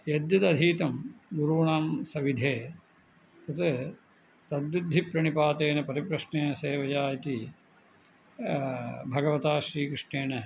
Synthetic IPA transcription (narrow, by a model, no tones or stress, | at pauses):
jed̪jɐt̪ɐd̪ʱiːt̪ɐmɡuɾuːɳaːmsɐʋid̪ʱeː | ɐt̪e | t̪ɐd̪ɾud̪ʱipɾɐɳipaːt̪eːnɐpɐɾipɾɐʂɳeːnɐseːʋɐjaːjɐt̪i | bʱɐɡɐʋɐt̪aːʃɾiːkɾɪʂɳeːnɐ